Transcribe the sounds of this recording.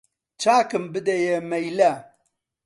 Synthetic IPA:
t͡ʃaːkɨmbɨd̪ɐjemɐjlɐ

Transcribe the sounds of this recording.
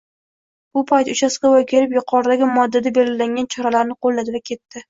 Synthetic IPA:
b̥ʊpʰajt̪ʊt͡ʃʰasɡʲawajkʲʰe̞ɾɪpjʊqʰɒɾd̪aɡʲɪmɒd̪ːad̪abe̞lɡʲɪlaŋɡʲant͡ʃʰɒɾalaɾnɪqʰolːad̪ɪvakʲʰe̞t̪ːɪ

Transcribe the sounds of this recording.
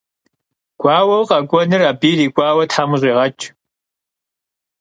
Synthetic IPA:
ɡ̥ʷʼɑːwɐwqʼɐkʷʼɔnɨraːbiːriːkʷʼaːwɐtʰħaːmʊɕʼiːʁɐt͡ʃʼ

